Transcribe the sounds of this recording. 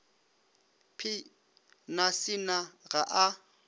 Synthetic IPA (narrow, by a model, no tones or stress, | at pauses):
pʰɪ | nasɪnaɣaʔa